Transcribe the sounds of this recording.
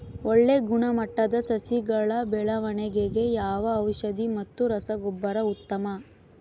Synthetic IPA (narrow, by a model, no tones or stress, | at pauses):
oɭːe̞ɡuɳɐmɐʈːɐd̪ɐsɐsiɡɐɭɐbɛɭɐʋɐɳeɡeɡe̞jaːʋɐːwʃɐd̪imɐt̪ːuɾɐsɐɡɔbːɐɾɐut̪ːɐmɐ